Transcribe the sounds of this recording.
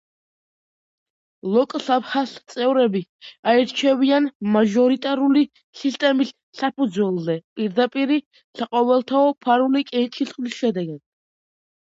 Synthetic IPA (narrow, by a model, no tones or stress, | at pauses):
lˠɔkʼsapχast̪sʼɛvɾɛbiaɛɾt͡ʃʰɛvianmaʒɔɾit̪ʼaɾuli | sist̪ʼɛmisːapʰud̪zwɛlˠzɛpʼiɾd̪apʼiɾi | saqʼɔvɛlˠt̪ʰaɔpʰaɾulikʼɛt͡ʃʰisχlisʃɛd̪ɛɡad̪̥̚